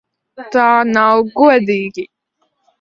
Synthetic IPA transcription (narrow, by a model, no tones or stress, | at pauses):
t̪aːnawɡuɔd̪iːɡi